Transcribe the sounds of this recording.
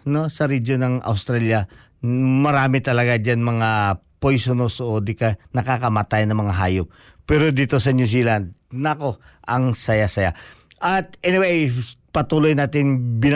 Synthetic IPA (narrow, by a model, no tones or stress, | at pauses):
no̞sɐɾid͡ʒonɐŋɐ̰wst̪ɾaljɐ | mɐɾaːmɪt̪ɐlɐɡad͡ʒanmɐŋapojsonosʔod̪ikɐnɐkakɐmat̪ajnɐŋmɐŋaɦaːjop̚ː | ɛɾod̪iːt̪osɐnus̬iːland̪̚nɐko̞ʔɐŋsɐjasɐja | ʔɐt̪̚ʔɛnɪwejpɐt̪uːlojnaːt̪ɪnbɪn